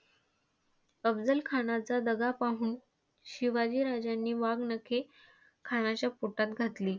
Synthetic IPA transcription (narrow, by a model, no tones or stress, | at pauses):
əbd͡zəlkʰanat͡sad̪əɡapaɦuːn | ɕiʋad͡ʑiːɾad͡ʑjanːiːʋaɡnəkʰe | kʰanat͡ɕjapoʈat̪ɡʱat̪liː